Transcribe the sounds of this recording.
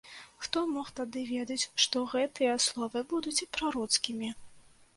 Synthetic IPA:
xt̪ɔmɔxt̪ad̪ɨvʲɛd̪ɐt͡sʲʂt̪ɔɣɛt̪ɨjɐslˠɔvɨbud̪ut͡sʲipɾaɾɔt̪skʲimʲi

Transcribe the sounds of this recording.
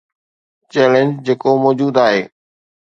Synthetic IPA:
t͡ɕɛːlə̃nd͡ʑd͡ʑeːkomɔːd͡ʑuːd̪aːɦeː

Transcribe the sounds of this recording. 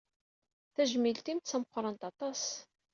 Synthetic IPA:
θæʒmilt̪imt̪t͡sːæməqʷːɾˤɑnt̪ɑt̪ˤɑs

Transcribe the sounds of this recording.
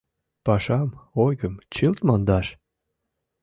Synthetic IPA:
pɑʃɑmojɣəmt͡ɕɨlt̪mɑnd̪ɑʃ

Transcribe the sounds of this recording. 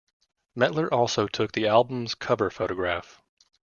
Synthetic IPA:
mɛʔˡlə˞ʔɔlˠsoʊtʰʊk̚ðiælˠbə̃m̩z̥kʰʌvə˞foʊɾɨɡɹæf

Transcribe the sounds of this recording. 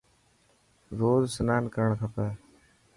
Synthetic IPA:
ɾoːzsənaːnkəɾəɳk̪ʰəpəː

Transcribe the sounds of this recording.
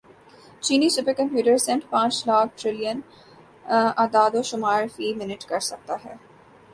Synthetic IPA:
t͡ʃiːnisʊpekɐ̃mpjuːʈəɾsẽɳʈpãːt͡ʃlaːk̚ʰʈɾɪlijən | aːd̪aːd̪oʃʊmaːɾfiːmɪnɪʈkɐɾsɐk̚t̪aɦɛː

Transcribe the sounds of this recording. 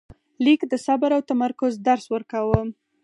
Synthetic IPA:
likd̪əsabaɾawt̪amaɾkʊzd̪aɾswəɾkawə

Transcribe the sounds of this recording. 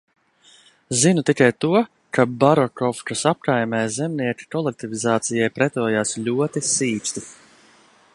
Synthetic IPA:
zinut̪ikajt̪uɔ | kabaɾɔkɔft͡ʃasap̚kajmɛjzɛmniɛkʲi̥kɔlˠek̚t̪ivizaːt̪sijajpɾɛt̪ɔːjaːsʎʲuɔt̪isiːst̪i

